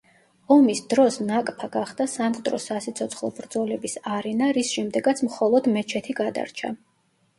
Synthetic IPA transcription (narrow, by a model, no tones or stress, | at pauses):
ɔmisd̪ɾɔsnakʼpʰaɡaχd̪asamqʼt̪ʼɾɔ̰sasit̪sʰɔt̪sʰχlˠɔbɾd̪zɔlɛbisaɾɛnaɾisʃɛmd̪ɛɡat̪sʰmχɔlˠɔd̪mɛt͡ʃʰɛt̪ʰiɡad̪a̰ɾt͡ʃʰa̰